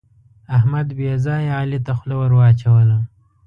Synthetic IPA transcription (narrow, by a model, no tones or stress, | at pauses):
ahmad̪bezɑːjɑːlit̪axlawəɾwɑːt͡ʃawəla